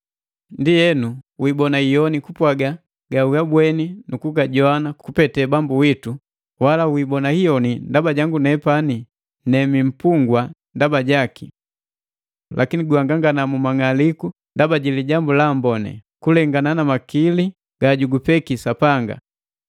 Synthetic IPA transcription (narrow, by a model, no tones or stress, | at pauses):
ndijɛnuwibɔnaijɔnikupwaɡa | ɡ̥auɡabwɛninukuɡaɟɔanakupɛtɛbambuwitu | walawibɔnahijɔnindabaɟaŋɡunɛpani | nɛmim̩puŋɡwandabaɟakḭ | lʔakiniɡuaŋɡaŋɡanamumaŋaliku | ndabaɟiliɟambulambɔnɛ̰kulɛŋɡananamakili | ɡ̥aɟuɡupɛkisapaŋɡa̰